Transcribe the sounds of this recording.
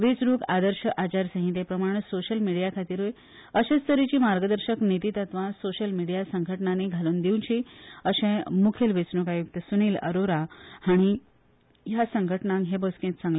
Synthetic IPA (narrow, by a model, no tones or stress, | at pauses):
ʋet͡sɾuːkad̪əɾɕəʔat͡ɕaɾsə̃ɦĩt̪̬epɾəmaɽ̃soɕəlmiɽijakʰat̪iːɾʋoj | əɕest̪əɾit͡ɕiːmaɾɡəd̪əɾɕəknit̪iːt̪at̪ʋãsoɕəlmiɽijasəŋɡʱəʈnaneɡʱaluːnd̪iwnt͡ɕiəɕẽmukʰelʋet͡sɾukajuk̚t̪əsuniːlə̰ɾoɾahaɽ̃i | jasəŋɡʱəʈnãŋɦeboskẽt̪sãŋɡla